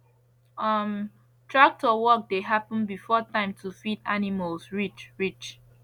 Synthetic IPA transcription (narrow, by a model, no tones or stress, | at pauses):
ʌm | tʰɹak̚tɔwɔk̚deɦapə̃nbifɔtãɪ̃mtʰufidaniməlsɹit͡ʃɹit͡ʃ